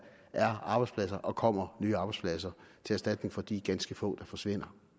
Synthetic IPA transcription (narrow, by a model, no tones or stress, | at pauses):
ʔæɐɑ̈ːb̥ɑ̈ɪspʰlæs̬ɐʔɒ̽kʰɒ̽m̰ɐnyːɑ̈ːb̥ɑ̈ɪspʰlæs̬ɐt͡sʰe̝æɐsd̥æd̥ne̝ŋfɒ̽d̥iːɡ̥ænsɡ̥əfɔ̰̽ːd̥ɑ̈fɒ̽sʋe̝n̰ɐ